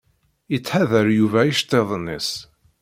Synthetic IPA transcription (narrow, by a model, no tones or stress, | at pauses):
jət͡sːħaðəɾjuvæjiʃt̪ˤːeðˤnis